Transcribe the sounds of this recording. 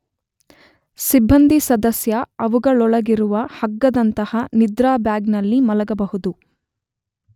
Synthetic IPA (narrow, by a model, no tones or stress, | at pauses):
sibːɐnd̪ʱisɐd̪ɐsjɐɐʋuɡɐɭɔɭɐɡiɾuʋɐhɐɡːɐd̪ɐnt̪ɐhɐnid̪ɾaːbjaːɡnɐlːimɐlɐɡɐbɐɦud̪u